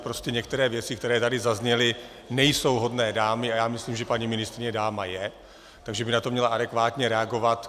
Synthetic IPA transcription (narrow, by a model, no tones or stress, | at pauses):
pɾoscɛɲɛkt̪ɛɾɛːvjɛt͡sɪkt̪ɛɾɛːt̪adɪzazɲɛlɪ | nɛjso̞wɦo̞dnɛːdaːmɪajaːmɪsliːmʒɛpaɲimɪnɪst̪ɾɪɲɛdaːmajɛ | t̪aɡʒɛbɪnat̪o̞mɲɛlaʔadɛkvaːt̪ɲɛɾɛaɡo̞vat̪